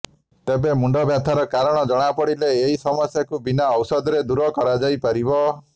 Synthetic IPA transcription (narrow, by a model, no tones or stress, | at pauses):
t̪ebemuɳɖɔbjat̪ʰaɾɔkaɾɔɽ̃ɔd͡ʒɔɽ̃apɔɽileːɦisɔmɔsjakubinaɔwsɔd̪ɾed̪uɾɔkɔɾad͡ʒajpaɾibɔ